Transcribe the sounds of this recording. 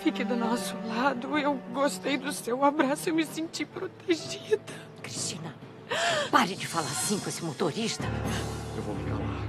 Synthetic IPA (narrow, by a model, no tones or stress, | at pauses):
fikɪd̪ʊnɔsʊlad̪ʊewɡost̪ejd̪ʊsewabɾasʊewmɪsẽnt͡ʃipɾot̪eʒid̪ɐ | kɾiʃt͡ʃĩnɐ | paɾɪd͡ʒɪfalaɾsĩkõesɪmot̪oɾiʃt̪ɐewvo̰fika̰la̰